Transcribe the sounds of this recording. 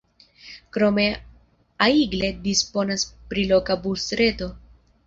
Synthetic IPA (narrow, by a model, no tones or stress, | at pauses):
kɾo̞me̞ | aiɡle̞dispo̞naspɾilo̞kabusɾe̞to̞